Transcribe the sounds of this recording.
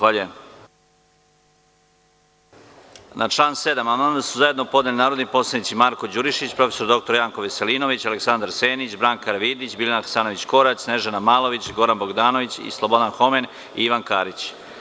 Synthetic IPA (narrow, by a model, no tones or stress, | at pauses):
aʎue | naʈ͡ʂlˠaːnse̞d̪amanad̪asuzajed̪nopo̞d̪nelinaːɾod̪nipo̞ːslˠad̪it̪simaɾko̞d͡ʑuɾiʃit͡ɕpɾo̞feso̞ɾd̪o̞k̚t̪o̞ɾjaːŋko̞ʋeselino̞ʋit͡ɕaleksand̪aɾse̞ːnit͡ɕbɾaːŋkaɾʋiːd̪it͡ɕbilʲanaxsaːnoʋit͡ɕko̞ɾat͡ɕne̞ʒanamaːlˠo̞ʋit͡ɕɡo̞ɾanbo̞ɡd̪aːno̞ʋit͡ɕḭslˠo̞bo̞d̪anxo̞me̞n | ḭiʋankaːɾit͡ɕ